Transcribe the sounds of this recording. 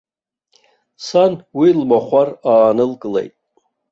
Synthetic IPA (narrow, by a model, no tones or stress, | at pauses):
sanwilmaχʷaraːnɨlkʼɨlḛjtʼ